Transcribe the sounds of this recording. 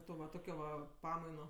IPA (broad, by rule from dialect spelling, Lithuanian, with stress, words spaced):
ˈtoː ʋɐ ˈtoːkʲoː ʋɐ ˈpɑːmɐɪnoː